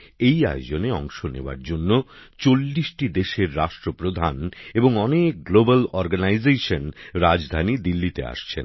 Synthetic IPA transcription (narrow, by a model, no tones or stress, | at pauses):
eja̰jod͡ʑoneɔŋʃonḛoa̰ɾd͡ʑonːot͡ɕolːiʃʈid̪eʃeɾːaʃʈɾopɾod̪ʱaneboŋɔnek̚ɡlobalɔɾɡanajzeʃonɾad͡ʑd̪ʱanid̪ilːit̪ḛa̰ʃt͡ɕʰḛn